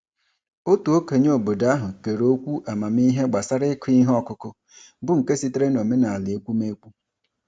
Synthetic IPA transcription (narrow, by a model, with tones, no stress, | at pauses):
o˦tu˨o˦ke˨ɲ˦o˨bo˨da˦ɦʊ˨ke˨ɾo˦kʷu˦ʔa˨ma˨m˦i˦ɦe˦ɡ͡ba˨sa˦ɾɪ˦kʰʊ˦i˦ɦɔ˦kʊ˦kʊ˦ | bʊ˦ŋ̩˨ke˦si˦tɾe˦no˨me˦na˨a˨lɪ˨e˦kʷu˦me˦kʷu˦